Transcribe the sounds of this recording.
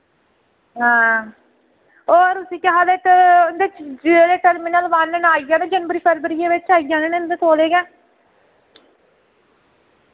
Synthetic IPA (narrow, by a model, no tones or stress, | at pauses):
ɦãː | oːɾʊsĩːkɪɦaːleːt̪nd̪eːd͡ʒeleːʈəɾmɪnəlʋanənaːijãːnẽːd͡ʒənbəɾiːpʰəɾbɾijeːʋɪt͡ʃaːijãːnẽːnend̪eːt̪oːleːɡɛː